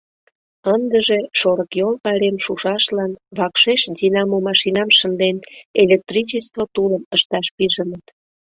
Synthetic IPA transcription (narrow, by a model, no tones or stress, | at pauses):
ənd̪əʒeʃoɾəkjolpɑlʲemʃuʃɑʃlɑnβɑkʃeʃdʲinɑmomɑʃinɑmʃənd̪enelʲek̚t̪rit͡ɕest̪vot̪uləməʃt̪ɑʃpiʒənət̪